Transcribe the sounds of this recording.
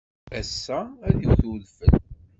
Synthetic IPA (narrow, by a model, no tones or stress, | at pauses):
æsːææðiwθuðfəl